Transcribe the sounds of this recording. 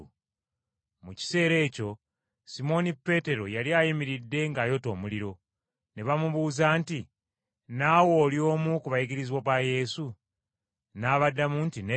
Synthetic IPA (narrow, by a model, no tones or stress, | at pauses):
muci̥se̞ːɾe̞ːco̞ | simo̞nipːe̞te̞ɾo̞̰jaliajimiɾidːe̞ŋɡajo̞to̞ːmuliɾo̞ | ne̞βamuβuːzaːnti | naːwo̞ːljo̞ːmukuβajiɡiɾiziβoβaje̞su | naːβadːamuntine